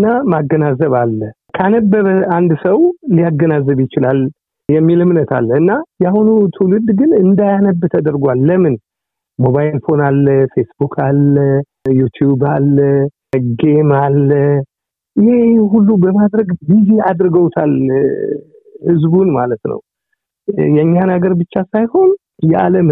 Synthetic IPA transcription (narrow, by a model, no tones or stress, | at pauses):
ɨnːamaɡːənazəβalːə | kʰanəbːəβəand̪səwlijaɡːənazːəβjɪt͡ʃɪlal | jɛmːilɨmnət̪ʰa̰lːɨnːajahunut̪ʰulɨd̪ɡɨnɨnd̪ajanəbːt̪ʰəd̪əɾɡʷalːəmɨn | moβajlfo̞nalːəfe̞sbukʰalːə | jut̪ʰjubalːə | ɡemalːə | ɪheɦulːubəmad̪ɾəɡbizead̪ɾɨɡəwt̪ʰal | hɨzbunmalət̪nə̰w | jɛɲːanaɡəɾbɨt͡ʃːasajho̞n | jɛʔa̰ləm